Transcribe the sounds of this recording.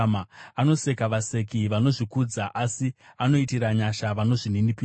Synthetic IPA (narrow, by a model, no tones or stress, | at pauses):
maano̞se̞kaʋase̞kiʋano̞ʐikud͡zaʔasiano̞itiɾaɲaʃaʋano̞ʐininipi